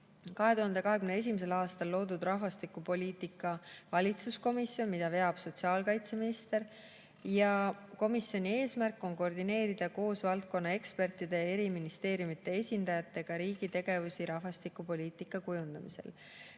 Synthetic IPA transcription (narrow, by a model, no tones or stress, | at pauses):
kɑɦe̞t̪uɦɑnd̪e̞kɑɦekymnee̞s̬ʲimise̞lɑːst̪ɑlːo̞ːd̪̥ud̪rɑɦvɑst̪ikːˑupo̞lʲiːt̪ˑikːˑɑvɑlʲit̪susko̞misːjo̞nmid̪̥ɑve̞ɑb̥so̞t̪siɑːlkɑjt̪se̞minist̪e̞ɾ | jɑko̞misjo̞nʲie̞ːsmærkːˑo̞nko̞rd̪ine̞ːɾid̪̥ɑko̞ːsvɑlt̪̚ko̞nːɑe̞kspe̞rt̪ˑid̪̥e̞e̞ɾiminist̪e̞ːɾjumit̪ːˑe̞esʲind̪̥ɑjɑt̪ˑːe̞ɡ̥ɑɾiːɡ̥it̪e̞ɡ̥e̞vusiɾɑhvɑst̪ikːˑupo̞lʲiːt̪ˑikːˑɑkujund̪̥ɑmisḛl